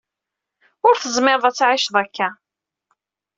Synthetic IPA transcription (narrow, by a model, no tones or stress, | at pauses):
ʊɾθəzˤmɪɾˤðˤæt͡sːʕɪʃðˤækːæ